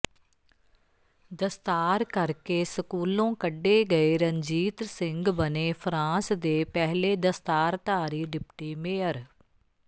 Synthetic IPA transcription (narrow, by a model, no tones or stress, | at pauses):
d̪əst̪aːɾkəɾkeːsəkuːlõːkəɖːeːɡəeːɾəɲd͡ʒiːt̪ɾsɪ̃ŋɡbəneːpʰɾãːsd̪eːpɛɦleːd̪əst̪aːɾt̪aːɾiːɖɪpʈiːmeːəɾ